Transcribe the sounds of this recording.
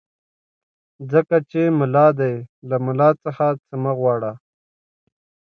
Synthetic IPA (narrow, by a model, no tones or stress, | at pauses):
zəkat͡ʃemʊlɑːd̪ajlamʊlɑːt͡səxat͡səmaɣwɑːɽa